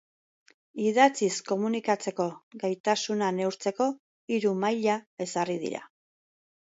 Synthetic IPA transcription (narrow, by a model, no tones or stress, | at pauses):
iðat͡sisko̞munikat͡se̞ko̞ɡajt̪asunane̞wɾt͡se̞ko̞ | iɾumajʎae̞sarið̞ḭɾa̰